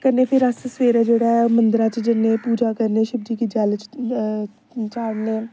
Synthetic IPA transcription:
kəɾneːpʰɪɾəssʋeːɾaːd͡ʒeːɽaːmənd̪ɾãːt͡ʃd͡ʒɪnːẽːpuːd͡ʒaːkəɾneːʃɪbd͡ʒiːkid͡ʒaːlt͡ʃ | t͡ʃaːɽneː

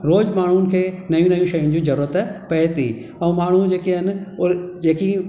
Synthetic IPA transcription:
ɾoːd͡ʑmaːɳ̤unɪ̆kʰeːnɐjũnɐjũʃɐjʊ̃nɪ̆d͡ʑĩːzɐɾuːɾət̪pɐɦɪt̪ḭ | ɛ̃ũːmaːɳ̤ud͡ʑeːkiɦnɪ̆ʊd͡ʑeːki

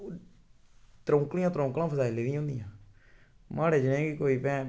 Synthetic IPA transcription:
t̪ɾõːŋklĩjãːt̪ɾõːŋklãːpʰəsaːiːleːd̪ɪj̃ːʊ̃nd̪ɪjãː | maːɽeːd͡ʒɪnẽːkiːkoːiːpɛ̃ː

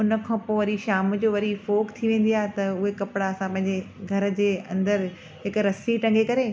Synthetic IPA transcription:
ʊnə̆kʰãːpoːʋɐɾiʃaːmd͡ʑoːʋɐɾifoːkt̪ʰiʋẽːn̆d̪iaːɦet̪ɐʊɦekɐpɪɽaɐsãpɐ̃ɦɪ̃ɲd͡ʑeɡʱɐɾə̆d͡ʑeːɐ̰̃nd̪əɾ | ɦɪkɾɐsiʈɐ̃ŋɡʱekɐɾeː

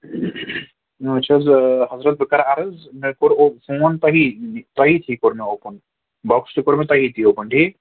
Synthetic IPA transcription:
ɐt͡ʃʰazɦɐzɾɐt̪̚bɪkaːɾaɾɐzmekoɾofoːnt̪ɐɦit̪ɐɦit̪ʰikoɾmeoːpən | bɔkst̪ukoɾmet̪ɐɦit̪ʰioːpəɳɖʱi

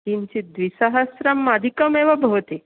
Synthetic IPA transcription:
int͡ʃid̪ʋisaɦɐsɾɐmːad̪ʱikəmeʋɐbʱɐʋt̪i

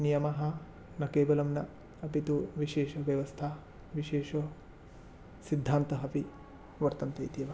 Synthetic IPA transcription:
nijɐmɐɦɐ | nɐkeːʋɐlɐmnɐ | ɐpit̪uʋiʃeːʃɐʋjɐʋɐst̪ʰa | ʋiʃeːʂɐ | sid̪ʱːaːnt̪ɐɦɐpi | ʋɐɾt̪ɐnt̪ɐjt̪ijɐʋɐ

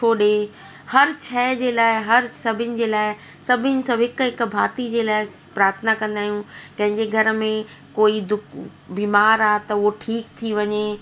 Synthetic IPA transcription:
t͡ɕʰoːɗe | hɐɾt͡ɕʰɛːɪd͡ʑeːlaːɪɦɐɾsɐbʱɪnɪ̆d͡ʑeːlaːɪ | sɐbʱɪnɪ̆sɐ̃bɪkɦɪkbʱaːt̪id͡ʑeːlaːɪ | pɾaːɾət̪ʰənakɐ̃nd̪aːɦijũkɐ̃ɦɪ̃ɲd͡ʑeɡʱɐɾmẽ | koːid̪ʊkbiːmaːɾaːt̪ɐɦoʈʰiːkt̪ʰiʋɐɲe

